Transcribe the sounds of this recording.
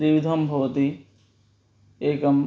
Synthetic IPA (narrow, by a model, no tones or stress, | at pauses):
ɾiʋid̪ʱɐmbʱɐʋət̪i | eːkɐm